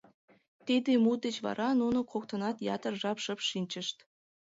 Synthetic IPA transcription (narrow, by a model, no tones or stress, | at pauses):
t̪id̪emut̪et͡ɕβɑ̰ɾɑnunokʰok̚t̪ɤnɑt̪jɑ̰t̪ərʒɑpʃə̆pʃinʲt͡ɕə̆ʃt̪